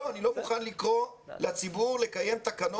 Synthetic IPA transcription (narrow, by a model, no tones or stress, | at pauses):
oanilo̞muχanlikʁo̞lat͡sibuʁle̞kaje̞mt̪akano